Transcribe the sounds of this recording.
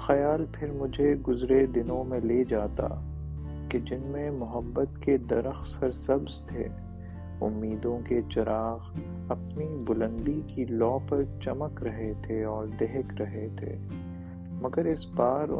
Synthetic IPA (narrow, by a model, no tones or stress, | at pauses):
xɐjaːlpʰɪɾmʊd͡ʒʱeɡʊzɾed̪ɪnõmẽleːd͡ʒaːt̪a̰ | ked͡ʒɪnmẽmʊɦəbːət̪ked̪ɐɾəxsəɾsɐbzt̪ʰḛː | ʊ̰mːiːd̪õket͡ʃɐɾaːɣ | ɐpnibʊlə̃nd̪ikilɔːpɐɾt͡ʃɐməkɾɐɦet̪ʰeɔːɾd̪eɦkɾɐɦet̪ʰḛː | mɐɡəɾɪsbaːɾ̰